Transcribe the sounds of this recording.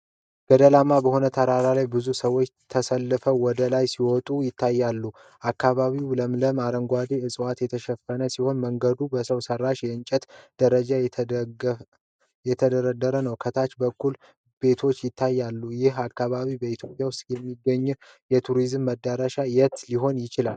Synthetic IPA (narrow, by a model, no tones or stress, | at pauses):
ɡ̥əd̪əlamabəho̞nət̪ʰəɾaɾalajbɨzusəwot͡ʃːt̪ʰəsəlːɨfəwɔd̪əlajsiwɔt̪ʼujɪt̪ʰːajːalːu | ʔakːaβaβiwləmləmaɾəŋɡʷad̪iɨsʼwat̪jɛt̪ʰəʃɛfːənəsiho̞nməŋɡəd̪ubəsəwsərːaʃjɛɨnt͡ʃʼɛt̪d̪̥əɾəd͡ʒa | jɛt̪ʰəd̪əɾəd̪ːəɾənəwkʰət̪ʰat͡ʃbəkːul | be̞t̪ʰo̞t͡ʃːjɪt̪ʰːajːalːujɪɦakːaβaβibəit̪ʰjo̞pʼjawʊst̪ʼjɛmːiɡəɲːu | jɛt̪ʰuɾizmːəd̪ːaɾaʃajɛt̪liɦo̞njɪt͡ʃɪla̰l